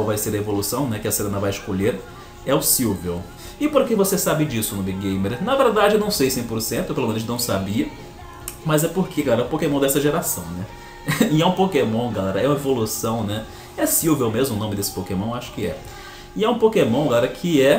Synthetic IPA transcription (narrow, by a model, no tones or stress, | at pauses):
wvajseɾɐevolusɐ̃w̃nɛkɪɐseɾẽnɐvajɪʃkoʎeɾ | ɛʊsiwvew | ɪpoɾkevosesabɪd͡ʒisʊnʊbiɡɡẽj̃meɾnɐveɾd̪ad͡ʒɪewnɐ̃w̃sejsẽj̃poɾsẽnt̪ʊewpelomẽnʊʒnɐ̃w̃sabiɐ | mɐzɛpoɾkeɡalɛɾɐʊpokemɐ̃d̪ɛsɐʒeɾasɐ̃w̃nɛ | iɛũpokemõw̃ɡalɛɾɐɛũɐevolusɐ̃w̃nɛ | ɛsiwvewmezmʊnõmɪd̪esɪ̥pokemɐ̃w̃aʃʊ̥kɪɛ̰ | ɪɛũpokemɐ̃ɡalɛɾɐkʰɪɛ